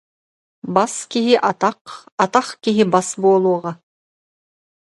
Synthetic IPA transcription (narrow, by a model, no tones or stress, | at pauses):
baskiɦiʔat̪ɑqat̪aχkiɦibasbuɔlˠuɔʁɑ